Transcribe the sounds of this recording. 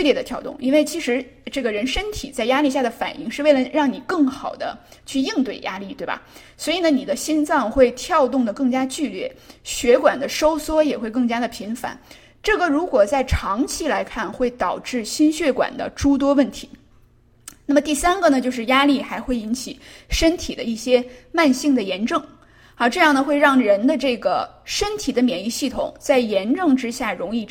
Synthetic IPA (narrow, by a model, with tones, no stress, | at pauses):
y˥˧ljɛ˥˩d̪ə˩t̪ʰjɑ˥ʊt̪ʊ̰˥˩ŋʔi˥nwe˥˩ɪt͡ɕʰi˧˥ʂɻ̩˧˥ʈ͡ʂɤ˥˩ɡə˩ɻə˧˥nʂə˥nt̪ʰi˨˩t͡sa˥˩ɪja˥li˥˧ɕja˥˩d̪ə˩fa̰˨˩nʔi˥˧ŋʂɻ̩˥˧we˥˩ɪlə˩ɻɑ˥˩ŋni˨˩kɤ˥˩ŋxɑ˨˩ʊd̪ə̰˦t͡ɕʰy˥˧i˥˧ŋt̪we˥˩ɪja˥li˥˩t̪we˥˩ɪbɐ̰˩ | swɔ˧˥i˨˩nə˦ni˨˩d̪ə˦ɕi˥nt͡sɑ˥˧ŋxwe˥˧ɪt̪ʰjɑ˥˧ʊt̪ʊ˥˩ŋd̪ə˩kɤ˥˩ŋt͡ɕja˥t͡ɕy˥˧ljɛ̰˥˩ɕɥɛ˧˥kwa˨˩nd̪ə˦ʂo˥ʊswɔ˥jɛ˨˩xwe˥˧ɪkɤ˥˩ŋt͡ɕja˥d̪ə˨pʰi˧˥nfa̰˧˥˦n | ʈ͡ʂɤ˥˩ɡə˩ɻu˧˥kwɔ˨˩t͡sa˥˩ɪʈ͡ʂʰɑ˧˥ŋt͡ɕʰi˥la˧˥ɪkʰa˥˩nxwe˥˩ɪt̪ɑ˨˩ʊʈ͡ʂɻ̩˥˩ɕi˥nɕɥɛ˥˩kwa̰˨˩nd̪ə̰˦ʈ͡ʂu˥t̪̬wɔ˥wə˥˩nt̪ʰḭ˧˥ | na˥˩mə˩t̪i˥˩sa˥nɡə˨nə˩t͡ɕjo˥˧ʊʂɻ̩˥˩ja˥li˥˩xa˧˥ɪxwe˥˩ɪi˧˥nt͡ɕʰi˨˩ʂə˥nt̪ʰi˨˩d̪ə̰˦i˥˩ɕjɛ˥ma˥˧nɕi˥˩ŋd̪ə˩jɛ˧˥nʈ͡ʂɤ˥˩ŋ | a˥˧ʈ͡ʂɤ˥˧jɑ˥˩ŋd̪ə˩xwe˥˧ɪɻɑ˥˩ŋɻə˧˥nd̪ə˧ʈ͡ʂɤ˥˩ɡə˩ | ʂə˥nt̪ʰi˨˩d̪ə˦mjɛ˨˩ni˥˧ɕi˥˩t̪ʰʊ̰˨˩˦ŋt͡sa˥˩ɪjɛ˧˥nʈ͡ʂɤ˥˩ŋʈ͡ʂɻ̩˥ɕja˥˩ɻʊ˧˥ŋi˥˩